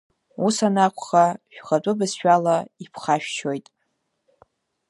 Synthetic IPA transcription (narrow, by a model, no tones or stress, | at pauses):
usanakʷʰχaʃᶣχat͡pʼʊbɨsʃᶣalaipʰχaʃᶣt͡ʃʰojtʼ